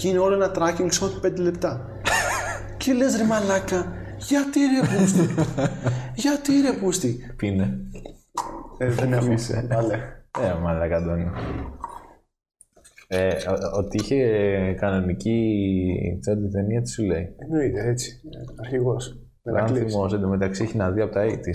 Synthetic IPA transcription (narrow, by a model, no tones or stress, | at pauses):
cineoloenɐt̪ɾɐciŋɡsot̪pend̪elept̪ɐ | celezɾimɐlɐkɐ | ʝɐt̪iiɾepust̪ | ʝɐt̪iiɾepust̪ipine | ðenefisḛɐleemɐlɐkɐd̪oni | eot̪iiçekɐno̞nici | t͡sɐd̪it̪eniɐt̪i̥suleienoit̪eet͡si̥ | ɐɾçiɣos | eɐnθθimoset̪emet̪ɐksieçenɐðiɐpot̪ɐit̪i